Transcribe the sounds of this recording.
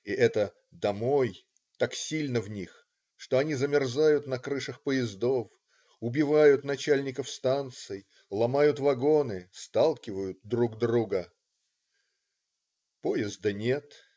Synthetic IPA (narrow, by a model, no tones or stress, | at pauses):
iʔɛt̪ə | d̪ɐmo̞j | t̪aksʲilʲnəvnʲix | ʂt̪o̞ɐnʲizəmʲɪrzajʊt̪nɐkɾɨʂəxpəjɪzd̪o̞f | ʊbʲɪvajʊt̪nɐt͡ɕælʲnʲɪkəfst̪ant̪sɨj | lˠɐmajʊt̪vɐɡo̞nɨst̪alˠkʲɪvəjʊt̪̚d̪ɾuɡd̪ɾuɡə | po̞jɪzd̪ənʲe̞t̪